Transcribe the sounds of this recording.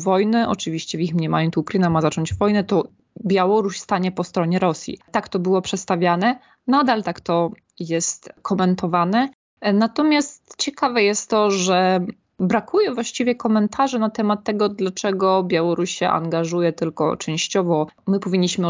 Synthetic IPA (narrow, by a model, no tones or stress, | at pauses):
vɔjnɘʔɔ̰t͡ʂɘvʲiɕt͡ɕɛvʲixmɲɛmajɛnt̪ukɾɘnamazat͡ʂɔɲd͡ʑvɔjnɛt̪ɔ | bʲjawɔɾuɕst̪aɲɛpɔst̪ɾɔɲɛɾɔsʲjḭt̪akt̪ɔbɘwɔpʂɛt̪st̪avʲjanɛ | nad̪alt̪akt̪ɔ | jɛst̪kʰɔmɛnt̪ɔvanɛ | nat̪ɔmʲjast̪t͡ɕɛkavɛjɛst̪ːɔʐɛ | bɾakujɛvwaɕt͡ɕivʲjɛkɔmɛnt̪ʰaʐɛnat̪ɛmat̪ːɛɡɔd̪lat͡ʂɛɡɔbʲjawɔɾuɕɕɛ̰ʔa̰ŋɡaʐujɛt̪ɘlkɔ̰t͡ʂɛ̃w̃ɕt͡ɕɔvɔmɘpɔvʲiɲːiɕmɘ